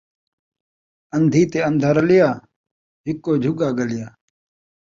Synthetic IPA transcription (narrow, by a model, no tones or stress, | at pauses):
ənd̪ʱiːt̪eːɐnd̪ʱaːɾɐlɪjaː | ɦɪkːoːd͡ʒʱʊɡaːɡəlɪjaː